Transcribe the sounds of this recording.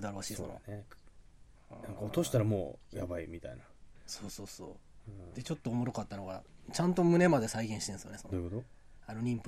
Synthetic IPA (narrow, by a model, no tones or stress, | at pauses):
ɯd̪aɾɯβaɕiːsono̰ne | nãŋkaot̪o̞ɕi̥t̪aɾamo̞̰ːjabaimʲit̪a̰inaso̞ːso̞ːso̰ːd̪̥e̞t͡ɕo̞t̪ːo̞ːmo̞ɾo̞kat̪ːanoɡa̰t͡ɕãnt̪o̞mɯ̟ne̞mad̪e̞saiɡẽɕi̥t̪ẽsɨjonedd̪ojɯkot̪o | ano̞ɾʲĩmp